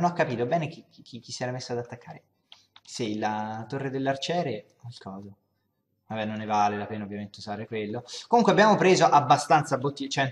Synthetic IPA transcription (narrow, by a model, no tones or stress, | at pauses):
nakːapiːt̪obɛːnek̟ikikʰikːi̥sːiɛːɾamesːoad̪at̪ːakːa̰ːɾe | seilat̪orːed̪elːart͡ʃɛːɾe | lkʰɔːza | vabːɛnonːevaːlelapeːnaovːjament̪euzaːɾekwelːokomuŋkweabjaːmopɾeːzoʔabːast̪ant̪sabːot̪ːit͡ʃɛn